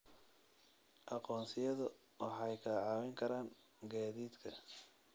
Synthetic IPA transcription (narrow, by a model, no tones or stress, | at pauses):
ʔɑqɔːnsɪjɐðʊ | wɑħɑjkʰɐʕɑːwɛŋkʰɐɾaːŋ | ɡaːðiːd̪kʰɐ